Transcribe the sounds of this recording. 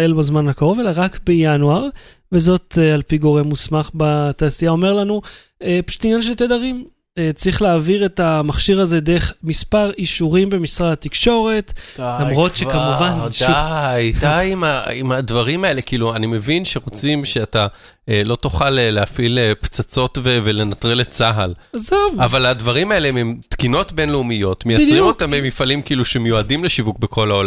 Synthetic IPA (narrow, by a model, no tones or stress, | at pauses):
elbazmanhakaʁo̞ve̞laʁakbejanuaʁ | vezo̞talpiɡo̞ʁe̞mːusmaχbataːsijao̞me̞ʁlanu | epḁʃu̥t̪injanʃ̬elt̪edaʁim | et͡sʁiχleːviʁe̞tamaχʃiʁaze̞de̞eχmispaʁiʃuʁimbe̞misʁadat̪ikʃo̞ʁe̞t̪lamʁo̞t̪ʃekamuvan | jjtaimaimadvaʁimae̞lekiiːluanime̞vinʃeʁot͡simʃe̞ata | elo̞tuχalːeafilept͡sat͡so̞tvevele̞nat̪ʁelet͡saɦalazavavaladvaʁimaeleememtkino̞tbe̞nleumijo̞tmejat͡sʁimot̪amemifalimkiiːluʃemejuadimleʃivuk̚bekʰo̞lao̞la